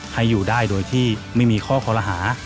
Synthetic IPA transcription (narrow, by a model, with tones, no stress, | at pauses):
ha˧˩jːuː˨˩daː˥˩jdoː˧jt̪ʰiː˥˩ma˥˩jmiː˧kʰɔː˥˩kʰɔː˧la˧ɦaː˩˦